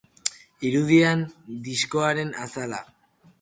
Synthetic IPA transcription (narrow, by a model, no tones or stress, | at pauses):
iɾuð̞iand̪isko̞aɾe̞nasala̰